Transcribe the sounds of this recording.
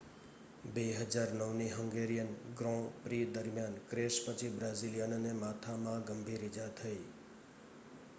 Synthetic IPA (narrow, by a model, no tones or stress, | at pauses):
beɦəd͡ʒaɾnəʋniɦəŋɡeɾijənɡɾɔ̃pɾid̪əɾmjankɾeʃpət͡ʃʰibɾazilijənənemat̪ʰamãɡəmbʱiɾid͡ʒat̪ʰəi